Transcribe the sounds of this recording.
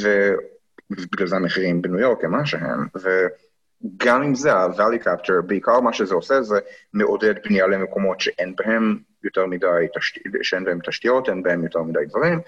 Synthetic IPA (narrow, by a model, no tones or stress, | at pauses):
ve | biɡlalzemeχiʁimbenujo̞ʁklemaʃeɦḛmve | ɡamimzeavalikʰapteʁbeikaʁmaʃezeosezemeʔodedbnijalemeko̞mo̞tʃeʔenbahem | joteʁmidajt̪aʃtiʃeenbahemt̪ɐʃtijo̞tenbahemjot̪eʁmid̪ajdvaʁim